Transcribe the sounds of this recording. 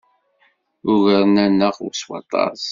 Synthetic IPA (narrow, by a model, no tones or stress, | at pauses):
ʊʝəɾˤnænːəʁʊ̰swɑ̰t̪ˤɑ̰ˤz